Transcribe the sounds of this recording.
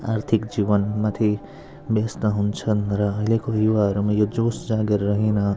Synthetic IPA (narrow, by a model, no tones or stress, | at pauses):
a̰ɾt̪ʰikd͡ʒibənmat̪ʰi | best̪ʌɦunt͡sʰʌnɾʌːɦilekojuʋaɦʌɾumãjod͡ʒosd͡zaɡeɾːʌɦinʌ